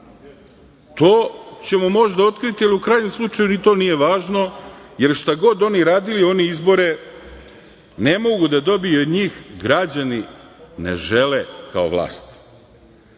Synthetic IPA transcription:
t̪o̞ːt͡ɕe̞momo̞ʒd̪ao̞t̪kɾit̪ijiliukɾaːjɲe̞mslˠut͡ʃajunit̪o̞ːnije̞ʋaːʒno̞je̞ɾʃt̪aɡo̞d̪o̞niɾaːd̪ilio̞niizbo̞ɾe̞ | ne̞mo̞ɡud̪ad̪o̞bijeod̪ɲiːxɡɾad͡ʑaninḛʒelekao̰ʋlˠa̰ːst̪

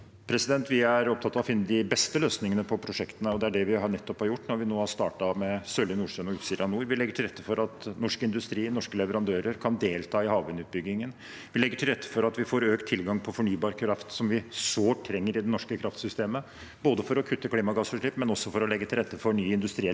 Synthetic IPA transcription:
pʰɾɛsɪd̪ɛnt̪ʰʋɪæɾɔpt̪ʰɑt̪ːɑʋɔfɪnːəd̪ɪbɛst̪əløːsnɪŋənəpʰɔpʰɾʊʂɛkt̪ənəɔd̪ɛæɖɛʋɪɦɑɳɛt̪ːɔphɑɾjʊʈːnɔɾʋɪnoːhɑst̪ɑːʈɑmɛsølɪnuːʂœnɔʉːt̪siːd̪əɾɑnuːɾʋɪlɛɡːəʈʰɪlɾɛt̪ːəfɔɾɑt̪nɔʂkəɪnd̪ʉst̪ɾiːnɔʂkəlɛʋəɾɑnd̪øːɾəɾkʰɑnd̪eːlt̪ʰɑːɪhɑːʋənʉːt̪̚bʏɡːɪŋən | ʋɪlɛɡːəʈʰɪlɾɛt̪ːə̥fɔɾɑt̪ʋɪfoːɾøːkt̪ʰːɪlɡɑŋpʰɔfɔɳyːbɑːɾkʰɾɑft̪sɔmʋɪsoːʈ̪ʰɾɛŋːəɾɪd̪ɛnɔʂkəkʰɾɑft̪sʏst̪eːmə | boːd̪əfɔɾɔkʰʉt̪ʰːəkliːmɑɡɑːsfɔʂɭɪpmɛnɔsːɔfɔɾɔlɛɡːət̪ʰɪlɾɛt̪ːəfɔɳyːɪnd̪ʉst̪ɾiː

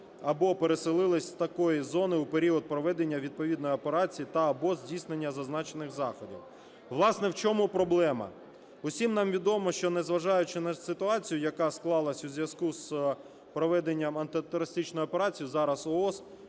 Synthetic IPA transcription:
ɐbɔpeɾe̞sɪlˠɪlˠɪsʲt̪ɐkɔjizɔnɪupeɾʲiɔd̪̚pɾɔʋɛd̪enʲːɐʋʲid̪̚pɔʋʲid̪nɔjɔpeɾɑt͡sʲijit̪ɐːbɔzʲdʲijsnenʲːɐzɐznɑt͡ʃenɪxzɑxɔdʲḭw | ʋlˠɑsnɛwt͡ʃɔmupɾɔblˠɛmɐ̰ | ʊsʲimnɑmʋʲid̪ɔmɔʃt͡ʃɔnɛzʋɐʒɑjʊt͡ʃɪnɐsɪt̪ʊɑt͡sʲijʊjɐkɑsklˠɑlˠɐsʲuzʲʋʲjɐskus | pɾɔʋɛd̪enʲːɐmɐnt̪ɪt̪ɔɾɐsʲt̪ɪt͡ʃnɔjʊɔpeɾɑt͡sʲijʊzɑɾɐsɔɔs

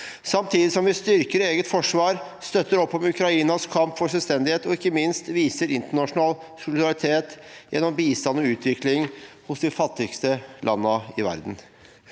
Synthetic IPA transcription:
sɑmt̪ʰiːd̪ɪsɔmʋɪst̪ʏɾkəɾeːɡət̪fɔʂʋɑːɾ | st̪œt̪ːəɾɔpːɔmʉkɾɑiːnɑskʰɑmpfɔʂɛlst̪ɛnd̪ɪheːt̪ɔɪkːəmɪnst̪ʋiːsəɾɪnt̪əɳɑʂʊnɑːl | sʊlɪd̪ɑɾɪt̪ʰeːt̪jɛ̰nːɔmbiːst̪ɑnːɔʉːt̪ʰʋɪklɪŋhʊsd̪ɪfɑt̪ːɪɡst̪əlʔɑnːəɪʋæ̰ɾd̪n̩

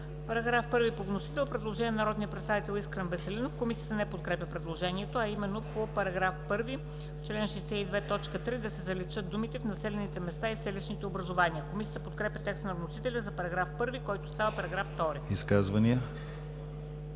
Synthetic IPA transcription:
pɐɾɐɡɾafpɤɾvipovnosi̥t̪ɛlˠpɾɛd̪lˠoʒɛnʲɛnɐɾɔd̪nijəpɾɛt̪st̪avit̪ɛlˠiskɾənvɛsɛlinofkomisiət̪ənɛpot̪̚kɾɛpʲɐpɾɛd̪lˠoʒɛniɛt̪oɐimɛnːopopɐɾɐɡɾafpɤɾvi | t͡ʃlɛnʃɛisɛid̪vɛt̪ɔt͡ʃkət̪ɾid̪ɐsɛzɐlit͡ʃɤd̪̚d̪umit̪ɛfnɐsɛlɛnit̪ɛmɛst̪aisɛliʃnit̪ɛobɾɐzovaniəkomisijət̪əpot̪̚kɾɛpʲɐt̪ɛkst̪nɐvnosit̪ɛlʲəzɐpɐɾɐɡɾafpɤɾvikɔjt̪ost̪avəpɐɾɐɡɾafːt̪ɔɾiiskazvɐniə

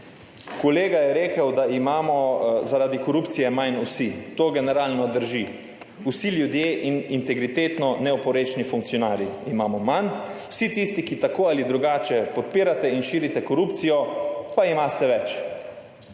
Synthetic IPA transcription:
koleːɡajɛɾeːkəwd̪aimaːmɔzaɾad̪ikɔɾuːp̪sijɛmajnusit̪oːɡɛnɛɾaːlnɔd̪əɾʒi | usiljud̪jeːʔinint̪ɛɡɾit̪eːt̪nɔnɛɔpɔɾeːt͡ʃnifuŋk̚tsjɔnaːɾjiimaːmɔmanuwsit̪ist̪ikit̪akoːalid̪ɾuɡaːt͡ʃɛpɔt̪̚piːɾat̪ɛinʃiːɾit̪ɛkɔɾupt̪sijɔpaimaːst̪ɛʋɛt͡ʃ

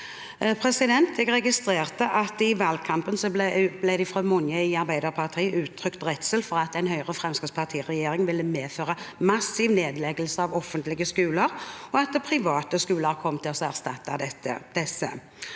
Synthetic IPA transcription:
pʰʁɛsɪd̪ɛnt̪ʰɛɡʁɛɡɪst̪ʁeːʁt̪əʔɑt̪ɪʋɑːlɡ̚kʰɑmpənsɔb̪blæɪd̪ɪfʁɔmʊnjəɪɑʁbæɪd̪əʁpʰɑʁt̪ʰiːʔʉːt̪ʰɾʏkt̪ʁɛt̪səlfɔʁɑt̪ɛɪnhœʏʁəfʁɛmskɪtspʰɑʁt̪ʰiːʁɛjeːɾɪŋʋɪlːəmeːføːʁəmɑsːɪʋneːd̪lɛɡəlsəɑʋɔfːənt̪lɪɡəskʉːləʁɔɑt̪̚d̪ɛpʰʁɪʋɑːt̪əskʉːləʁkʰɔmːt̪ʰɪlɔsæʁst̪ɑt̪ːɑd̪ɛt̪ːə̰d̪̥ɛsːə̰

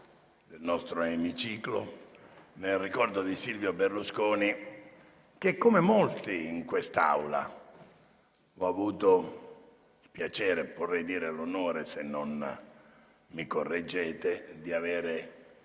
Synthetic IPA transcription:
d̪elnɔst̪ɾoemit͡ʃiːklo̰ | nelrikɔrd̪od̪isilvjoberluskoːni | k̟ekːomemolt̪iːŋkwest̪aa̰wla̰ | ɔavuːt̪o | spjat͡ʃɛːɾeporːɛjd̪iːɾelonoːɾesenːon | mikorːed͡ʒːɛːt̪ed̪iaveːɾe

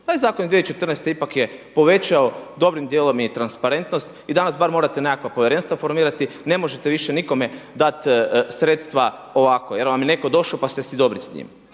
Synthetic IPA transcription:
t̪ajzaːkonid̪ʋiet͡ʃet̪rnest̪eipakjepo̞ʋe̞t͡ʃaod̪o̞bɾimd̪jelˠo̞mit̪ɾanspaɾe̞nt̪nost̪id̪anasbaɾmo̞ːɾat̪enekakʋapo̞ʋjɾe̞nst̪ʋafo̞ɾmiːɾat̪ine̞mo̞ʒet̪eʋiʃeniko̞me̞d̪at̪sɾet̪st̪ʋao̞ʋakojeɾʋamjene̞ko̞d̪o̞ʃopast̪esid̪o̞bɾisɲḭːm

